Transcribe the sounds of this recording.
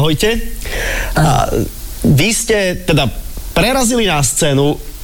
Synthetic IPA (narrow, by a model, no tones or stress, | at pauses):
ɦɔjcɛ | ʋiscɛt̪ɛd̪apɾɛɾazilinast͡sɛːnu